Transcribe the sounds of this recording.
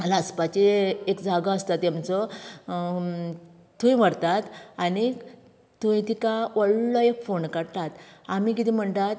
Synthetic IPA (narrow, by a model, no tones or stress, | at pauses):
əlaəspat͡ɕeekd͡zʱaɡaəst̪at̪ːjamt͡sɔ | t̪ʰũj̃ʋəɽt̪at̪ani | t̪uĩt̪ikaʋəɭlɔefoɳkəɽt̪at̪amik̬it̪ĩm̤əɳt̪at̪